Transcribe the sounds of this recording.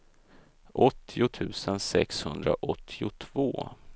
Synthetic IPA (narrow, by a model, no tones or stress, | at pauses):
ʔɔt̪ʰːɪʊt̪ʰʉ̟ːsənsɛkshɵnd̪ɾa̰ʔɔt̪ʰːɪʊt̪ʰvoː